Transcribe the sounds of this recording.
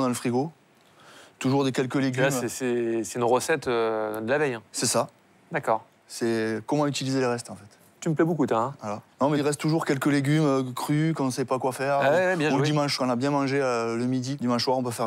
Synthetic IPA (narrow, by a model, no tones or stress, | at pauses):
d̪ɑ̃ləfχiɡo | t̪uʒuʁd̪ekʲɛlkəleɡʲlyamɛsɛsɛynʁəsɛt̪ød̪əlavɛjɛ̃sɛsa | d̪akɔːʁ | sɛkɔmɑ̃yt̪ilizeləʁɛst̪ɑ̃fɛt̪ | t̪yməplɛbokut̪ɛ̃valanɔ̃mɛʁɛst̪ːtːuʒuʁkʲɛlkəleɡʲymøkχykɔ̃sɛpakwafɛʁawɛwɛbjɛ̃ud̪imɑ̃ʃkɔ̃nabjɛ̃mɑ̃ʒeøləmid̪id̪imɑ̃ʃswaʁɔ̃p̬øfɛʁ